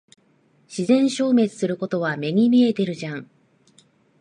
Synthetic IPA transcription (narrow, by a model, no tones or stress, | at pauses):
ɕizẽ̞ɰ̃ɕo̞ːme̞t͡sɨ̥sɨɾɯ̟ko̞t̪o̞βamʲe̞ŋ̟imʲie̞t̪e̞ɾɯ̟ʑãŋ